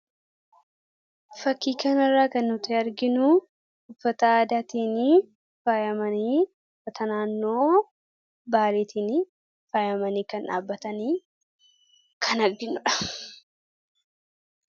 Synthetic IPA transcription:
fɐkːiːkɐnɐrːaːkɐnːʊt̪eːɐɾɡɪnʊ | ʊfːɐt̪ɐaːd̪aːt̪iːni | faːjɐmɐniː | ʊfːɐt̪ʰɐnaːnːo̞ː | baːleːt̪iːni | faːjɐmɐniːkɐnᶑa̰ːbːɐt̪ɐniː | kʰɐnɐɾɡɪnʊᶑɐ̥

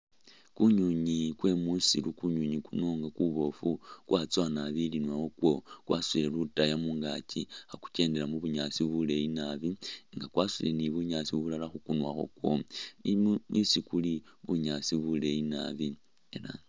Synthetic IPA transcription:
kuɲuɲikwe̞musilukuɲuɲikunoŋɡakuβo̞fukwʔat͡swanaβilinwaxokwo̞kwʔasulelutajamuŋɡaciaku̥ce̞ːnde̞lamuβuɲat͡siβule̞inaβiŋɡakwasuleniβuɲat͡siβulalaxukunwa̰xo̞̰kwo̞̰ | isikuliβuɲasiβule̞ina̰βi | ela

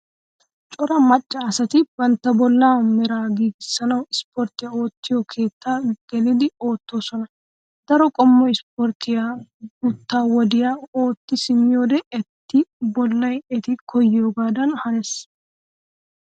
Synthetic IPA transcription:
t͡ʃʼɔɾɐmɐt͡ʃʼːɐːsɐt̪ɪbɐnt̪ːɐbɔlːaːmɛɾaːɡiːɡɪsːɐnɐwɪspɔɾt̪ɪjao̞ːt̪ːɪjɔkʰe̞ːt̪ːaːɡ̥ɛlɪd̪ɪo̞ːt̪ːo̞ːsɔnɐ | d̪̥ɐɾɔkʼɔmːɔɪspɔɾt̪ɪjaɡʊt̪ːaːwɔd̪ɪjao̞ːt̪ːɪsɪmːɪjo̞ːd̪ɛɛt̪ːɪbɔlːɐjɛt̪ɪkʰɔjːɪjoːɡaːd̪ɐnhɐnɛs

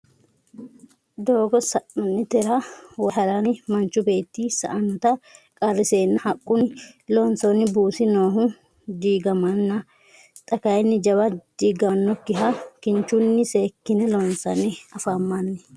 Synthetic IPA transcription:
d̪o̞ːɡɔsɐʔɔnːɪt̪ɛɾɐwɔɦɐɾanɪmɐnt͡ʃːʊbe̞ːt̪ːisɐ̰ʔɐnɔt̪ɐkʼɐrːɪseːnːɐhɐkʼːʊnɪloːnsonːɪbuːsɪnoːɦʊ | d̪iːɡɐmɐnːɐ | t̪ʼɐkɐjɛnːɪd͡ʒɐβɐd̪̥iːɡɐnːɔkːɪɦɐkɪnt͡ʃʊnːɪseːkːɪnɛloːnsɐnːɪɐfamːɐnːɛ

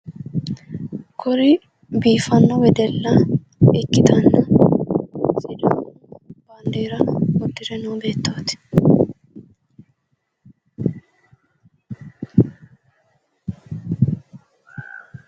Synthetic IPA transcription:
kɔɾɪ | biːfɐnːɔwɛd̪ɛlːɐ | ɪkʼːɪt̪ʰɐnːɐ | sɪd̪ɐ | bɐnd̪eːɾɐɔd̪ːɪɾɛnoːbe̞ːt̪ːot̪ɪ̥

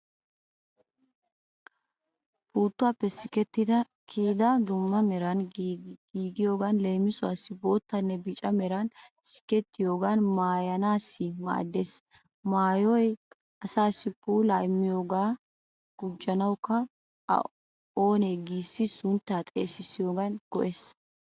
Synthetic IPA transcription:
buːt̪ːʊwaːpːɛsɪkɛt̪ːɪd̪ɐ | kʰiːd̪ɐd̪ʊŋːɐmɛɾɐn | iːɡɪjo̞ːɡanleːmɪsʊwa̰ːsːɪbo̞ːt̪ːɐnːɛbɪt͡ʃʼɐmɛɾɐnsɪ̥kɛt̪ːɪjo̞ːɡanmaːjɐnaːsːɪma̰ːd̪ːeːs | maːjɔj | ʔɐsaːsɪpːuːlajmːɪjo̞ːɡaː | ɡ̥ʊd͡ʒːɐnɐwkːɐ̰ | oːneːɡiːsːɪsʊnt̪ːaːt̪ʼḛːsɪsɪjo̞ːɡɐnɡ̥ɔʔeːs

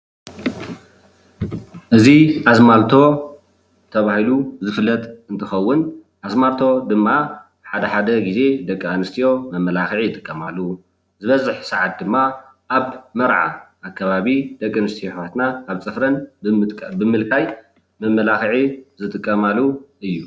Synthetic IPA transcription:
ʔɨziʔazmalt̪ʰo̞ | t̪ʰɐβahiluzɨfɨlːɐt̪ʼɨnt̪ʰɨxɐwːʊn | ʔazmalt̪ʰo̞d̪ɨmːa | ħad̪ɐħad̪ɐɡize̞d̪ɐkʼːanɨst̪ʰijo̞mɐmːɐlaxʕijt̪ʼɨ̥kʼːɐmalːu | zɨβɐzɨħsɐʕat̪̚d̪ɨmːa | ʔaβmɐɾʕa̰ʔːkʰːɐβaβid̪̥ɐkʼːɐnɨst̪ʰijoat̪naːβt͡sʼɨfɾɐnʼ | bɨmɨlkʼaj | mɐmːɐlaxʕizɨt̪ʼɨkʼːɐmalːuɨjːu

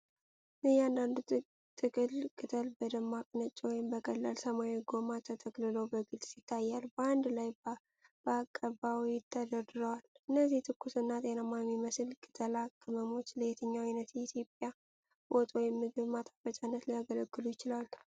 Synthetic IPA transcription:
nɨhjɛand̪and̪u | t̪ʰɨkʼɨlkʼɨt̪ʰəlbəd̪əmːakʼnət͡ʃʼːwɔjɪmbəkʼəlːalsəmaweɡo̞mat̪ʰət̪ʰəɡlɨlowbəɡɨlsit̪ʰːajːalbəand̪laj | b̥əakʼːəbawijɪt̪ʰːəd̪əd̪ɾəwalɨnːəzːiht̪ʰɨkʰːusɨnːat̪ʼenamamːiməsɨlkʼɨt̪ʼʰəlakʰʼːɨməmo̞t͡ʃːləjet̪ʰɨɲːawajnət̪jɛit̪ʰjo̞pʼja | bʔot̪ʼwɔjɪmːɨɡɨβmat̪ʼḁfət͡ʃʼanːət̪lijaɡələɡːɨlujɪt͡ʃɪlal

